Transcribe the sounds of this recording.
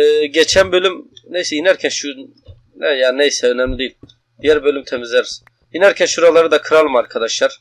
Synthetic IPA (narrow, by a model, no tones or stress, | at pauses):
ɛːɟet͡ʃʰænbølʲymnejsɛjinæɾcʰænʃu | nɛjaːnnejsɛønɛmlʲid̪ejilʲ | d̪̥ijæɾbø̞lʲymt̪ʰe̞mizlʲæɾiz | inæɾcʰænʃuɾalˠaɾɯd̪akʰɯɾalˠɯmaɾkʰad̪aʃlˠaɾ̥